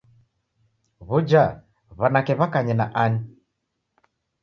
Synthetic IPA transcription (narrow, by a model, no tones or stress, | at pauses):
βud͡ʒa | βanakɛβakaɲɛnaʔani